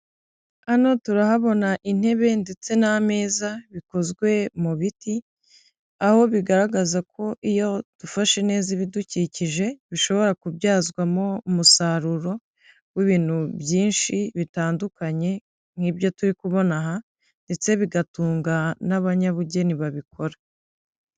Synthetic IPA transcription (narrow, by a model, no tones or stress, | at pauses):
ano̞tuɾahaβo̞naʔin̥he̞βe̞nde̞t͡se̞name̞ːzaβiko̞zɡwe̞muβiti | aho̞βiɡaɾaɡazakʰo̞ʔijo̞d̥ufaʃene̞ːziβiduciciʒe̞βiʃo̞βo̞ɾakubɟaːzɡwamo̞umusaɾuɾo | wiβiːn̥hubjiːnʃiβitaːndukaɲe̞ | ŋ̥hiːbjo̞tuɾikuβo̞naɦa | nde̞t͡se̞βiɡatuːŋɡanaβaɲaβuɟe̞niβaβikʰo̞ɾḁ